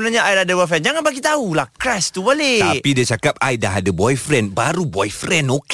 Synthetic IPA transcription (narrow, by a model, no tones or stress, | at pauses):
ənaɲaʔajladəbɔjfɛnd͡ʒaŋanbaɡit̪aulahkɾast̪ubalet̪pidiat͡ʃakap̚ajdaɦadəbɔjfɾɛnbaɾubɔjfɾɛnok